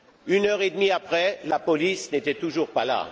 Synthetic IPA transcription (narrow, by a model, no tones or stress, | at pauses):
ynœʁed̪miapχɛlapɔlisnet̪ɛt̪uʒuʁpala̰